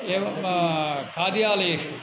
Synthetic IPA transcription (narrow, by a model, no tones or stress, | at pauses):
e | kʰaːd̪ijaːleːʃu